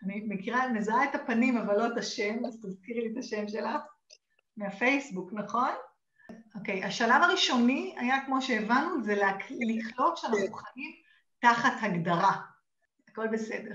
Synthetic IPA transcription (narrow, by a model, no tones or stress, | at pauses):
animekiʁamezaaetapanimavalːo̞et̪aʃemazt̪azkiʁlit̪aʃemʃelaχ | meafejsbuknaχo̞n | oke̞jaʃalavaʁiʃo̞nia̰jakmo̞ʃeːvanːuzelkliχlo̞vʃeanaaχnuχaʔim | taχathaɡdaʁa | ako̞lbe̞se̞de̞ʁ